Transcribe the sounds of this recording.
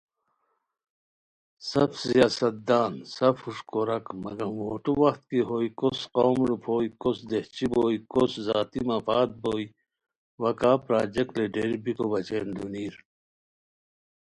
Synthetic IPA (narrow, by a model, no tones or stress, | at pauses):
sɐbsijaːsɐt̪̚d̪aːnsɐfhuʂkoɾɐkmɐ̰ɡɐmwoːʈuwɐxt̪kiɦoːjkosqoːmɾupʰoːikosd̪eht͡ɕiboːikoszaːt̪imɐfaːt̪̚boːi | wɐkaːpɾaːd͡ʑek̚ʈleɖeɾbikobɐt͡ɕeːnd̪uniːɾ